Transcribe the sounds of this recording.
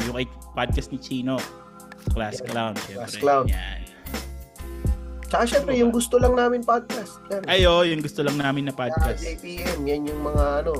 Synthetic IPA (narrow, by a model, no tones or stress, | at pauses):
jʊŋʔɐjpad̪̚kɐst̪̚nɪt͡ʃiːno̞ | klasklawnd̪ʃɛsklawnd̪a | t͡ʃɐkaʃɛmpɾɛjʊŋɡʊst̪olɐŋnaːmɪnpad̪̚kast̪̚janʔɐjojʊŋɡʊst̪olɐŋnaːmɪnɐpad̪̚kaspiʔɛmjanjʊŋmɐŋaʔɐno̞